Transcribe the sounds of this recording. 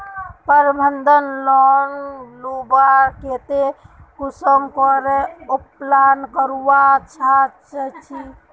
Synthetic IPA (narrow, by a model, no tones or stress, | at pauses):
pəɾbʱənd̪ənlɔnlubaket̪ekusəmkɔɾɛoplankəɾuwat͡ʃʰat͡ʃət͡ʃʰi